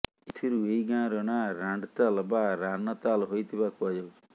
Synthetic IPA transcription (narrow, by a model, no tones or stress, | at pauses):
it̪ʰiɾueiɡãːɾɔnaɾaɳɖt̪albaɾanət̪alɦojt̪ʰibakʰad͡ʒa